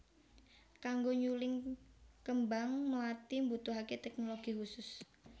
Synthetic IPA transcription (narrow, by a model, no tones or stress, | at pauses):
kaŋɡoɲulɪŋkəmbaŋnəlat̪imbut̪uɦaket̪ɛknoloɡ̥ihusʊs